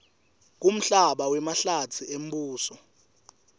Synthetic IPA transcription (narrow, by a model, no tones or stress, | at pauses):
k̬ʼum̩ɬaɓawɛmaɬatʰiem̩ɓuːsɔ